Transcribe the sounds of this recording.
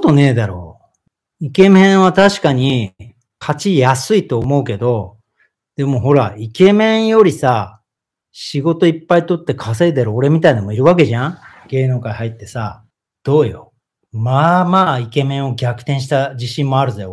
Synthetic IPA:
ot̪one̞ːd̪aɾo̞̰ː | ike̞mẽ̞ɰ̃βat̪aɕi̥kaɲ̟i | kʰat͡ɕijasɨit̪o̞ːmo̞ɯ̟ke̞d̪o̞ | d̪̥e̞moɦo̞ɾaike̞mẽ̞ɰ̃jo̞ɾʲisa | ɕiɡo̞t̪o̞ipːait̪o̞t̪ːe̞kʰaseːd̪eɾoːɾe̞mʲit̪ainomo̞iɾɯ̟βak̬e̞ʑã | ɡ̥e̞ːnoːkaiɦait̪ːe̞sa | d̪̥o̞ːjo̰ | mamaːike̞mẽ̞ɰ̃o̞ɡʲakɯ̟̥t̪ẽɕ̬i̥t̪ad͡ʑiɕĩmːo̞aɾɯ̟zajo

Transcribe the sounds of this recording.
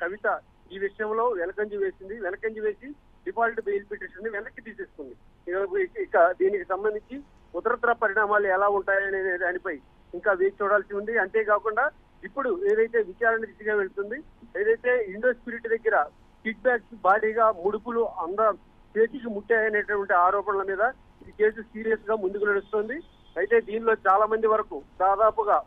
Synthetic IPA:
kɐʋit̪ɐ | iːʋiʂɐjɐmlo̞ːʋɛnɐkɐɲd͡ʒuʋe̞ːsind̪iʋɛnɐkɐɲd͡ʒuʋe̞ːsi | ɖipaːliʈbejlpiʈːeʂɐnd̪iʋɛnɐkːit̪iːse̞ːsukund̪i | kɐikːɐd̪iːnikisɐmbɐnd̪iɲt͡ʃi | ut̪ɐɾɐt̪ɾɐpɐɾiɳaːmaːluɛlaːuɳʈaːjɐnenːd̪aːnipɐj | iŋkaːʋeːt͡ʃuːɽaːlsiuɳɖiɐnt̪e̞ːkaːkuɳɖaː | ipːuɽue̞ːd̪ɐjt̪e̞ːʋit͡ʃaːɾɐnɐɾid͡ʒiɡaːʋe̞ɭut̪und̪ie̞ːd̪ɐjt̪e̞ːiɳɖo̞ːspiɾiʈid̪ɐɡːɐiɾɐ | piːʈ̚baːksbʱaːɽiːɡaːmuɽupuluɐnd̪ɐ | ʈeːt͡ʃikimuʈːaːjɐne̞ːʈɐʈʋɐɳʈiaːɾɔːpɐnɐlɐmiːd̪ɐ | ke̞ːsusiːɾijɐsɡaːmund̪ukunɐɽust̪oːnd̪i | ɐjit̪e̞ːd̪iːnlo̞ːt͡ʃaːlaːmɐnd̪iʋɐɾɐkud̪aːd̪aːpuɡaː

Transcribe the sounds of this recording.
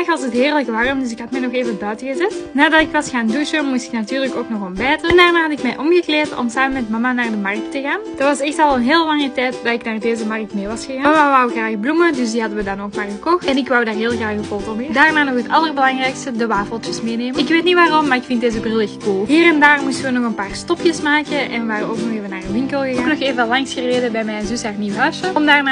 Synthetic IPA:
xɑsətɦeːrləkʋaːrəmdʏs̬ɪkɦɑtmɛjnɔxeːvənbœtəɣəzɛtnaːdɑtɪkʋɑsxaːnduʃəmustɪ̥knatyːrləkoːknɔxɔmbɛːtəɛndaːrnaːɦɑtɪkmɛjʔɔmɣəkleːrtɔ̰msaːmənmɛtmɑmanaːrdəmɑrktəɣaːnd̥ɑtʋɑsɛxtɑlˠənɦeːlˠəlɑŋətɛjtdaɪknaːrdeːzəmɑrk̚tmeːʋɑsxəɣaːmamaʋɑwəɣraːxblumədʏsdiɦɑdəʋədɑnoːkmaːrɣəkɔxtɛnɪkʋʌwdaːrɦeːlˠɣraːxəfolˠtomɪdaːrnaːnɔxɦətɑlˠərbəlɑŋrɛjkstədəʋaːfəlˠtəsmeːneːməɪkʋeːtnitʋaːrɔmːaːrɪkfɪntdeːzəbrɪlˠəxkulˠɦiːɾɛndaːrmustəʋənɔxənpaːrstɔpjəsmaːkəɛnʋəʋaːrəoːknɔxeːvənaːrənʋɪŋkəlˠɣəɣoknɔxeːvəɑlɑŋsxəreːdəbɛjmɛjnzʏsaːrniwəɦœsəɔmdaːrnaː

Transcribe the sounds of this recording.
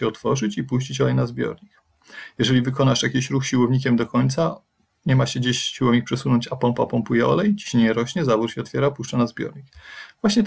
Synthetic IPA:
ɛɔt̪fɔʐɘt͡ɕipuɕ̬t͡ɕit͡ɕɔlɛjnazbʲjɔ̰ɾɲik̚ | jɛʐɛlʲivɘkɔnaʂjakʲiɕɾuxɕiwɔvɲikʲɛmd̪ɔkɔɲt̪sa | ɲɛmaɕɛd͡ʑeɕːiwɔvɲikpʂɛsunɔɲt͡ɕapɔmpapɔmpujɛɔ̰lɛjt͡ɕi̥ɕɲeɲɛɾɔɕɲɛzavuɾɕɛɔt̪fʲjɛɾapuʂt͡ʂanazbʲjɔ̰ɾɲikvwaɕɲɛt̪

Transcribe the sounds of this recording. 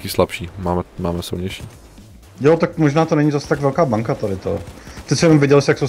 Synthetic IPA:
kiːslapʃiːmaːmɛmaːmɛsɪ̰lɲɛjʃiː | jot̪ak̚moʒnaːt̪onɛɲizasɛ̥t̪aɡvɛlkaːbaŋkat̪adɪt̪o̰t̪ɪsɛjɛnomvjɪɛɟɛlɪsjaksow

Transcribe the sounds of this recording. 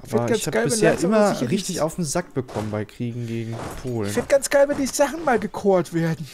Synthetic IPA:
ʔaːfbɪnɐdɡansabɡaɪlɪvɛseːɐʔɪmɐɪçʁɪçtɪça̰ʊfm̩zak̚b̥əkʰɔmənbaɪkʁ̥iːɡŋ̩ɡeːɡŋ̩pʰoːlɪçnfɪnd̚ɡ̥ansɡ̥aɪlvɛndiːzz̥aχn̩maːlɡəkʰoːɐtv̥eːɐdn̩

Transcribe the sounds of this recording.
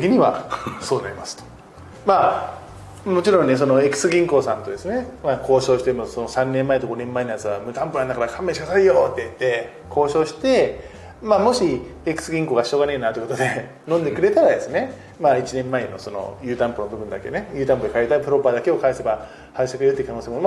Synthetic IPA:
eɡʲiɲ̟iβa̰so̞ːnaɾʲimasɨ̥t̪o̥ | maː | mo̞t͡ɕiɾõnːe̞s̬o̞no̞ekɯ̟̥sɨɡʲĩŋko̞ːsãnt̪o̞d̪e̞sɨne̞maːkʰo̞ːɕo̞ːɕi̥t̪emoso̞nosãnːẽmːaet̪oɡo̞nẽ̞mːaenojat͡sɨβamɯ̟t̪ãmpɯɾãnd̪akaɾakʰãmːẽɕiasaijo̞ːt̪ːe̞it̪ːe̞ | kʰo̞ːɕo̞ːɕi̥t̪e̞ | maːmo̞ɕiekɯ̟̥sɨɡʲĩŋko̞ːɡaɕio̞ɡaneinat̪oiko̞t̪od̪e̞ | nõ̞nd̪e̞kɯ̟ɾe̞t̪aɾad̪e̞sɨne̞ | maːit͡ɕinẽ̞mːaeno̞so̞no̰jɯ̟ːt̪ãmponobɯ̟bɯ̟nd̪akene̞jɯ̟ːt̪ãmpod̪ekait̪aipɯ̟ɾo̞pad̪ake̞o̞kaise̞ba | hait̪ekɯɾeɯ̟t̪ːikano̞ːsemo

